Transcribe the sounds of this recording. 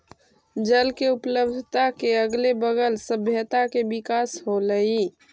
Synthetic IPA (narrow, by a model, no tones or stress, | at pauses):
d͡ʒəlkeupləbd̪ʱət̪akeəɡlebəɡəlsəbʱjət̪akebikasɦoləi